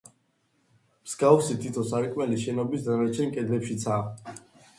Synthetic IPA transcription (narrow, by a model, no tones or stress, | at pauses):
mskʼavsit̪ʰit̪ʰɔsaɾikʼmɛliʃɛnɔbisd̪aɾɛt͡ʃʰɛnkʼɛd̪lɛpʃit̪sʰaː